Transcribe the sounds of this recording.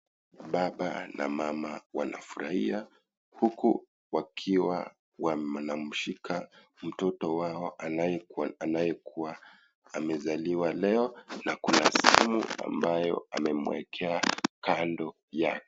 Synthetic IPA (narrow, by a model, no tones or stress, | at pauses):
ɓaɓanʔa̰mamawana̰fuɾahia | huku | wakʰiwa̰ | waanam̩ʃikʰa | m̩tɔtɔwaɔajɛanajɛkuwaː | mɛzaliwalɛɔnakunasɛhɛmṵa̰mbajɔ̰a̰mɛmuwɛ̰kʰɛakandɔ | jakɔ̥